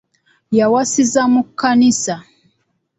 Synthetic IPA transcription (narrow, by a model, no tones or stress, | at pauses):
jawasizamukanisa